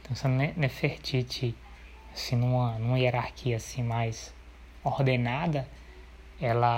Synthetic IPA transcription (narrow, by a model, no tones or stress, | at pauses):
t̪ɐ̃w̃sẽnɛnefeɾt͡ʃit͡ʃɪ | sɪnũɐnũmɐieɾaɾkʰiɐsĩmajs | oɾd̪enad̪ɐ | ɛlɐ